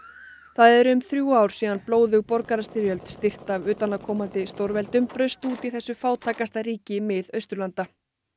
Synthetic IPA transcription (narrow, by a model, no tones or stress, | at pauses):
θaðɛɾʏmθɾjuːaːwɾ̥siːðanploːwðʏɣpɔɾkaɾast̪ɪɾjœlt̪st̪ɪr̥t̪avʏːt̪anakʰɔːmant̪ɪst̪owɾvɛlt̪ʏmpɾœɥst̪uːt̪iθɛsːʏfaːwt̪ʰaːkast̪aɾiːcɪmɪðœɥst̪ɾʏlant̪a